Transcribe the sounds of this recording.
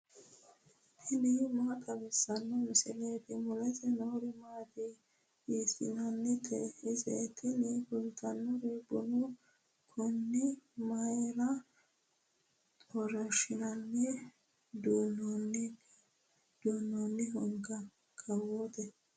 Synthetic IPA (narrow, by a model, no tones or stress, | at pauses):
t̪ʰɪnimaːt̪ʼɐbɛsːɐnːɔmɪsɪleːt̪ɛmʊlɐt̪ɛnoːɾɪmaːt̪ɪ | iːsɪ̰nɐnːɛt̪ʰɛhɪzet̪ʰːɪnifʊlt̪ɐnːɔɾeːbɔnʊ | kʰɔnːɪmɐjɾɐ | ɔɾɐʃɪnɐnːɛ | d̪unn | d̪̥uːnːonːɪɦɔŋɡɐ | kʼɐwoːt̪ɛ